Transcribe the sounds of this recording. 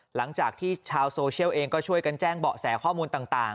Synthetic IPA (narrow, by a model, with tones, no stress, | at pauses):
la˩˦ŋt͡ɕaː˨˩k̚t̪ʰiː˥˩t͡ɕʰaː˧wsoː˧t͡ɕʰi˥˩əwʔeː˧ŋkɔː˥˩t͡ɕʰu˥˩əjka˧nt͡ɕɛː˥˩ŋbɔ̰ː˨˩sɛː˩˦kʰɔː˥˩muː˧nt̪aː˨˩ŋt̪aː˨˩